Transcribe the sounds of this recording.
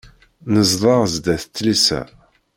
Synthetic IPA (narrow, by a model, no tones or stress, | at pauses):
nəzðˤɑʁzd̪æθt̪ːəlsæ̰